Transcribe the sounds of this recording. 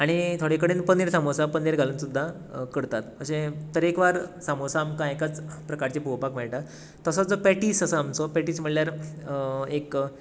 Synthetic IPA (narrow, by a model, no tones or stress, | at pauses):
aɽ̃it̪ʰoɽekəɽenpəneɾsamosapəneɾɡʱaluːnsud̪ʱːa | kəɽt̪at̪pəɕẽt̪əɾekʋaɾsamosaːmkãekat͡spɾəkaɾt͡ɕepuʋpakmeɭʈa | t̪ːəsəd͡zopɛʈiːsəsəamt͡sopɛʈiːsm̤əɽljaɾ | ek